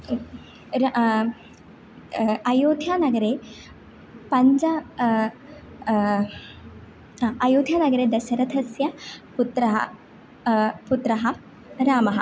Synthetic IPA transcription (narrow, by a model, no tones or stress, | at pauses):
ɾ | ɐjoːd̪ʱjaːnɐɡɐɾeː | pɐɲd͡ʒɐ | aɐjoːd̪ʱjaːnɐɡɐɾeːd̪ɐʃɐɾɐd̪ʰʱɐsjɐput̪ɾɐɦɐ̰ | put̪ɾɐɦɐ | ɾaːmɐɦɐ̰